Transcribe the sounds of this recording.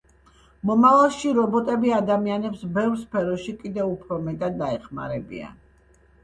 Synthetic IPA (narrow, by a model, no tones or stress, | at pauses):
mɔmavalˠʃiɾɔbɔt̪ʼɛbiad̪amianɛpsbɛvɾspʰɛɾɔʃikʼid̪ɛupʰɾɔmɛt̪ʼad̪ːaɛχma̰ɾɛbḭa̰n